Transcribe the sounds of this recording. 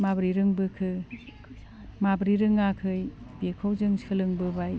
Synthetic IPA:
mabɾiɾɯŋbɯkʰɯ | mabɾiɾɯŋakʰɯjbekʰowzɯŋsʰɯlɯŋbɯbaj

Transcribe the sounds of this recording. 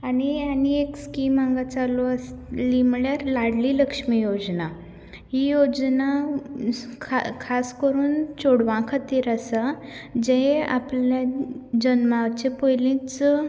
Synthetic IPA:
anianiekskimaŋɡat͡salɔaslimɭjaɾlaɽliləkʂmijod͡zna | ɦijod͡zna | kʰkʰaskəɾuːnt͡soɽʋãkʰat̪iɾasad͡ʑẽa̰pljad͡ʑənmaʋt͡ɕepojlĩt͡s

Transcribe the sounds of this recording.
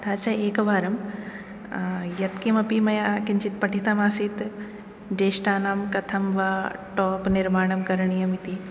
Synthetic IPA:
t̪ʰaːt͡ʃɐeːkʋaːɾɐm | jɐt̪kimɐpimɐjaːkɪnt͡ʃʰit̪̚pɐʈʰit̪ɐmaːsit̪ | ɖeːʃʈaːnaːmkɐt̪ʰɐmʋaːʈɔːpnɪɾmaːɳɐmkɐɾɳ̃ijɐmit̪i

